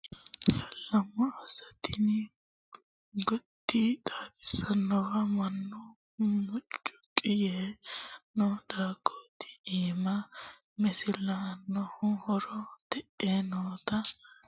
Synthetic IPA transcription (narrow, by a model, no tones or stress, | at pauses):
fɐlːɐmːɔɐsɐt̪ɪnɪ | ɡɔt̪ːit̪ʼaːfɪ̥sɐnːɔwɐmɐnːʊ | mʊt͡ʃʼːʊ̥kʼɪje | nɔd̪aːɡoːt̪ɪ̥iːmɐ | mɛsɪlɐnːɔhʊhɔɾɔt̪ɛʔeːnɔːt̪ɐ